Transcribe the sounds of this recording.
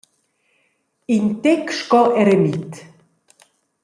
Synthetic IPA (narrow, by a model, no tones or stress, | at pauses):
int̪ɛkʃkɔʔɛɾemit̪